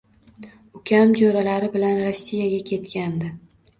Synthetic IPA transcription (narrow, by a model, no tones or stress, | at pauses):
ʊkʲʰamd͡ʒoɾalaɾɪbɪlanɾɒsːijaɡʲakʲʰe̞t̪kʲand̪ɪ